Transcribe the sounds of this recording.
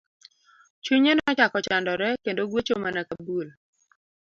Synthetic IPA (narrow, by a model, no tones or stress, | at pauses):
t͡ʃuɲenɔt͡ʃakɔt͡ʃandɔɾɛkendoɡwot͡ʃomanakabul